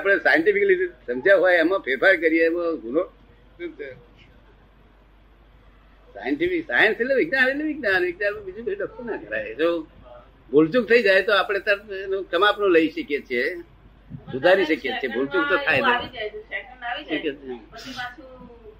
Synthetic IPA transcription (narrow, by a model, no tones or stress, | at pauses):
apəɽ̃esajəɳʈipʰikəlisəmd͡ʒaɦojəmãpʰeɾpaɾkəɾijemõɡuno | ũ | sa̰jəɳʈifiksa̰jənseleʋɪɡnaneleʋɪɡnanʋɪɡnanmãbid͡ʒukiuɖɔk̚t̪ənakəɾa̰jd͡ʒo | bolt͡ʃuɡ̚t̪ʰəid͡ʒajt̪oapɽ̃et̪ənokəmapnõləiʃəkjet͡ʃʰe | sud̪ʱaɾiʃəkjet͡ʃʰebolt͡ʃuɡ̚t̪ot̪ʰajt̪e | ʈik